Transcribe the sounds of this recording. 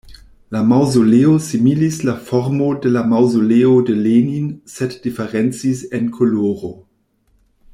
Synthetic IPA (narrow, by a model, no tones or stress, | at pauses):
lamawzoleosimilislafɔɾmodelamawzoleodeleninsetd̥ifeʁɛnt͡sisenkʰoloːʁo